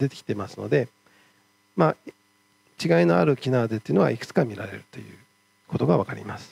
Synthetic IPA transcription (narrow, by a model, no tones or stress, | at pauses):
d̪e̞t̪ekʲi̥t̪e̞masɨno̞̰d̪e̞ | ma | t͡ɕiɡaino̞aɾɯ̟kʲinaːd̪e̞t̪ːejɯ̟noa̰ikɯ̟̥t͡sɨ̥kamʲiɾaɾe̞̰ɾɯ̟̥t̪o̞jɯ̟̰ː | ko̞t̪o̞ɡaβakaɾʲḭmasɨ̥